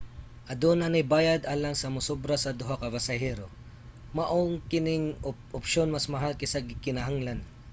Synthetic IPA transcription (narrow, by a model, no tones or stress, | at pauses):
ʔɐd̪oːnɐnɪjbaːjɐd̪ʔaːlɐŋsɐmʊsobɾɐsɐd̪ʊɦakɐbɐsɐhɛːɾo̞ | mɐʔoŋkɪnɪŋ | ʔʊpʃonmɐsmɐɦalkɪsɐɡkɪnɐɦaŋlɐn